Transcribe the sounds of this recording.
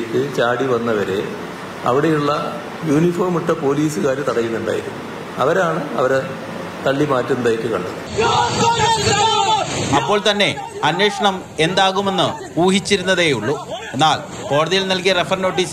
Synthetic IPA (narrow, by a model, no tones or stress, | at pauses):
tːɨt͡ɕaːɽiʋɐnːɐʋɐɾe | ɐ̰ʋiɽe̞juɭːɐ | juːnifoːrmuʈːɐpo̞ːliːsɨkaːɾɨt̪ɐɽɐjinːuɳɖa̰ːjḭɾumːu | ɐ̰ʋɐɾaːɳɨɐ̰ʋɐɾe | t̪ɐɭːimaːtːunɐd̪aːjitːɨkɐ̰ɳɖɐnːɨ | ɐpːo̞ːɭt̪ɐnːe̞ | ɐnwe̞ːʂɐɳɐm | e̞nd̪aːɣume̞nːɨ | puːɦit͡ɕːiɾunːɐðeːjuɭːue̞nːaːl | po̞ːɽɐðijilnɐlkijɐrefɐrno̞ːʈ̬ːiːs